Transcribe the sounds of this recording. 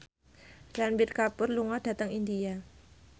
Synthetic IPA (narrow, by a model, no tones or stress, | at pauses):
ɾanbɪrkapʊrluŋɔd̥a̤t̪əŋindia